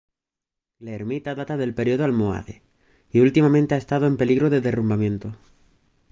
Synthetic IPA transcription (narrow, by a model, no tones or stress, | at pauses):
leːɾmit̪aðat̪aðe̞lpe̞ɾio̞ðoalmoa̰ðḛ | iult̪imamẽnt̪eaest̪aðoe̞mpe̞liɣɾo̞ðe̞ðe̞rumbamjẽ̞nt̪o